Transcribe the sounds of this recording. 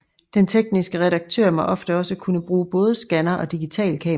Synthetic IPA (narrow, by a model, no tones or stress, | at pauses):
d̥ent͡sʰeɡ̥nisɡ̥əʁɛɾɑ̈ɡ̥̚t͡sʰø̰ɐ̰mɑʔɒ̽fd̥əɒ̽səkʰunəb̥ʁuːb̥ɔ̽ːð̞ˠsɡ̥ænɐʔɒ̽d̥iɡ̥it͡sʰɛ̰ːlkʰɛ̰ː